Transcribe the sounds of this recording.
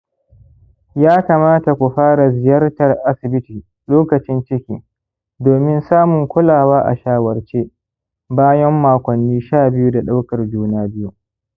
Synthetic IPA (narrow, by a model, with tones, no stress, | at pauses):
jaː˦kaː˨maː˦ta˨kʷu˨ɸaː˦ɾa˨zɪ˨jɐ˦rtɐ˨rʔa˦sɪ˨bɪ˦tiː˨ | loː˦kɐ˨t͡ʃɪ˦nt͡ʃɪ˦kʲḭː˦ | doː˨mɪ˦nsaː˦mʊ˨ŋkʷʊ˦laː˨waː˦ʔa̰˨ʃaː˦wɐ˨rt͡ʃeː˦ | baː˦jɐ˦mːaː˨kʷɐ˨nːiː˦ʃaː˦˨bɪ˦ju˦da˨ɗa˦wkɐ˨rd͡ʒuː˦naː˦bɪ˦ju˦